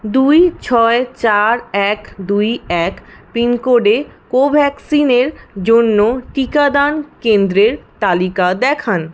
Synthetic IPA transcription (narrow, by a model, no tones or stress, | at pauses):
d̪ujt͡ɕʰɔet͡ɕaɾɛkd̪ujɛkpinkoɖekobʱɛksineɾd͡ʑonːoʈikad̪ankend̪ɾeɾt̪alikad̪ɛkʰan